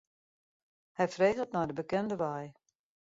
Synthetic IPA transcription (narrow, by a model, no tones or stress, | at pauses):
hɛjfreːɣətnɔjdəbəkɛndəʋaj